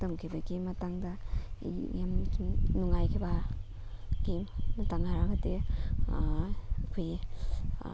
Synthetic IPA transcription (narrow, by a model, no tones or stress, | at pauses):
tɐmkʰibaɡimɐtaŋdɐ | jamnuŋajkʰibɐ | ɡ̥immɐtaŋaɾaɡɐde | akʰoj